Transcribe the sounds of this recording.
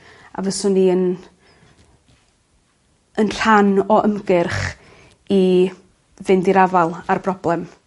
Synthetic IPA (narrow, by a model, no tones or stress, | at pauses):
a̰vəsʊniən | ənr̥anɔʔəmɡɪrχ | i | vɪndiɾavalˠarb̥rɔblˠɛm